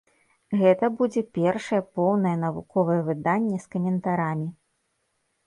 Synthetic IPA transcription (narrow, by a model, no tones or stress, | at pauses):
ɣɛt̪ɐbud͡zʲɛpʲɛrʂɐjɛpɔwnɐjɛnɐvṵkɔvɐjɛvɨd̪anʲːɛskɐmʲɛnt̪aɾamʲi